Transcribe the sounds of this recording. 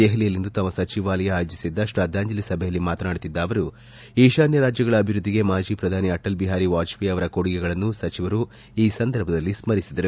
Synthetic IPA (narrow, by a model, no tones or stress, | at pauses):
d̪eɦɐlijɐlind̪ut̪ɐmːɐsɐt͡ʃiʋaːlɐjɐːjod͡ʒisid̪ːɐʂɾaːd̪aːɲd͡ʒɐlisɐbʱɛjɐlːimaːt̪ɐnaːɽut̪id̪ːaːʋɐɾu | iːʃaːnjɐɾaːd͡ʒjɐɡɐɭɐːbʱiɾud̪ʱːiɡe̞maːd͡ʒiːpɾɐd̪ʱaːniɐʈːɐlbiɦaːɾiʋaːt͡ʃʋiɐʋɐɾɐkoɽiɡɛɡɐɭɐnːusɐt͡ʃiʋɐɾu | iːsɐnd̪ɐɾbʱɐd̪ɐlːismɐɾisid̪ɐɾu